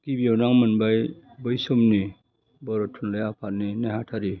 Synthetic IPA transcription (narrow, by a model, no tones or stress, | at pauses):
kibiawnaŋmanbajbɯjsɔmni | bɔɾɔtʰunlajapʰaninaɦatʰaɾi